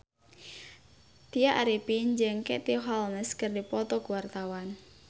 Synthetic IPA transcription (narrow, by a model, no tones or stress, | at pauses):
t̪iaʔaɾipind͡ʒəŋkɛt̪iɦɔlnəskɨrdipɔt̪ɔkuwart̪awan